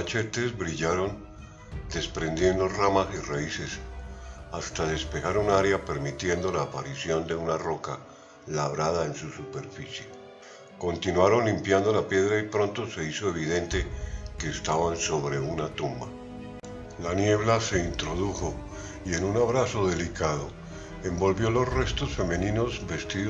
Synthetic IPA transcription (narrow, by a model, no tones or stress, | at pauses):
at͡ʃe̞t̪e̞zbɾiʝaɾo̞n | d̪e̞spɾe̞nd̪je̞nd̪o̞ramasiraise̞s | ast̪aðe̞spe̞xaɾunaɾjape̞ɾmit̪je̞nd̪o̞laːpaɾisjo̞nd̪e̞unaro̞ka | laβɾaðae̞nsusupe̞ɾfisje̞ | ko̞nt̪inwaɾo̞nlimpjand̪o̞lapje̞ðɾaipɾo̞nt̪o̞se̞iso̞e̞β̞iðe̞nt̪e̞ke̞ːst̪aβanso̞βɾe̞unat̪umba̰ | lanje̞βlase̞int̪ɾo̞ðuxo̞ | ie̞nunaβɾaso̞ðe̞likaðo̞ | e̞mbo̞lβjo̞lo̞sre̞st̪o̞sfe̞mẽ̞nĩno̞zbe̞st̪ið